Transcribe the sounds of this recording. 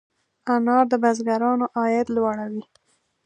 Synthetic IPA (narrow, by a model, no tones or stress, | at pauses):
anɑɾd̪əbazɡaɾɑnoʔɑjɪt̪lwɑɽawi